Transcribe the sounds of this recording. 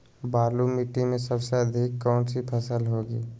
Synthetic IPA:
baːlumiʈimẽsəbseəd̪ʱɪkːɔːnsipʰəsəlɦoːɡiː

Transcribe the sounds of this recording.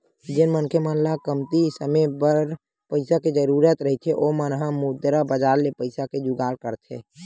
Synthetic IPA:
d͡ʒɪnmənkʰjəmənlakəmt̪isəməbəɾ | pəɪsaked͡ʒəɾuːɾət̪ɾəɦit̪ʰeʔomənɦamud̪ɾabəd͡ʒaːɾlepəɪsaked͡ʒʊɡaːɾkəɾt̪ʰɦḛ

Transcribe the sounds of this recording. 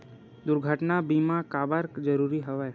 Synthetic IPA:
d̪ʊɾɡʱəʈnabimãkaːbəɾkd͡ʒəɾuːɾiɦəʋaj

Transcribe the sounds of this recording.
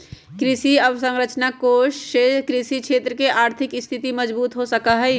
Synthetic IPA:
kɾɪsiɐbsə̃ŋɾət͡ʃnakoːʃekɾiʃikʃeːt̪ɾəkeʔaːɾt̪ʰɪkst̪ʰɪt̪imɐd͡ʒbuːt̪ɦosɐkaɦɛ

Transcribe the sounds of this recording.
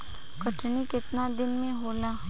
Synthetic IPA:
kəʈʰnikɪt̪nad̪ɪnmẽɦola

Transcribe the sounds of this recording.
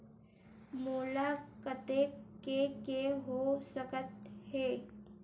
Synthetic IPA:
moːlakət̪ekekeɦosəkət̪heː

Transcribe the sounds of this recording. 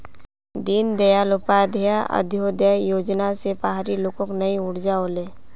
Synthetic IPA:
d̪ind̪ejalʊpaːd̪ʱəjaʔə̰d̪ʱjod̪əjoːd͡ʒnasepaɦaɾiloːkõknɐĩʊɽ̤d͡ʒaoleː

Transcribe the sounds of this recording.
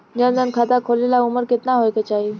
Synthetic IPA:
ɲənd̪ənkʰat̪akʰolelauməɾket̪naɦojket͡ɕaɦi

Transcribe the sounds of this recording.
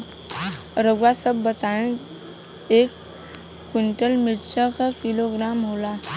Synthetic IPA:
ɾəɡʋasəbːət̪aẽ | ek | kiɳʈəlmiɾt͡ʃʰəkakiloɡɾamɦola

